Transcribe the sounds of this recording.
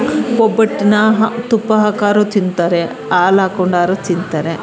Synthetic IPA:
kɔbɐʈːinɐɦt̪upːɐɦɐkaːɾut̪ind̪t̪aːɾe | aːlaːkoɳɖaːɾut̪ind̪t̪aːɾe

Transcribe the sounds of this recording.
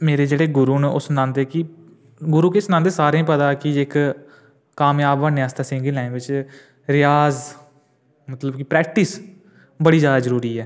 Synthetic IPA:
meːɾeːd͡ʒeːɽeːɡʊɾuːnʊsnãːnd̪eːkɪ | ɡʊɾuːkesnãnd̪eːsaːɾẽːpət̪aːkɪɪk | kːaːmjaːbaːneːaːst̪aːsɪ̃ŋɡəlɛ̃ːnʋɪt͡ʃ | ɾɪjaːz | mət̪ləbkɪpɾɛːk̚ʈɪs | bəɽiːd͡ʒjaːd̪aːzəɾuːɾiːɛː

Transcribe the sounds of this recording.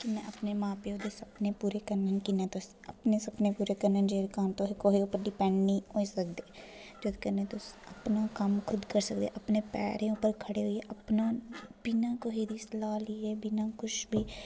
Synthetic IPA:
kinɛ̃ɐpnemãːpeɦod̪esɐbnepuːɾekəɾnənkinɛ̃t̪os | ɐpnesɐbnepuːɾekəɾnənd͡ʒeːɾkaːnt̪oɦikoːɦiupəɾɖɪpɛ̃ːɳɖniɦoisək̚d̪eːd͡ʒod̪kəɾnẽt̪oɐpnakɐmkʰʊd̪kəɾsəkd̪ḛːʔɐpnepɛ̰ːɾeʊpəɾkʰəɽeɦʊieʔɐpnab̥ɪnakoːɦid̪ʱislaːliebɪnakʊt͡ʃʰbʱiː

